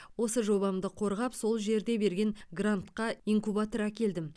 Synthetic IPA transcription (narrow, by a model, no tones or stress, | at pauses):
wo̞səʒo̞bɑmd̪əqʰo̞ɾʁɑpso̞lˠʒe̞ɾd̪e̞be̞ɾɡʲe̞ŋɡrant̪qɑiŋkubat̪oɾækʲe̞ld̪ɪm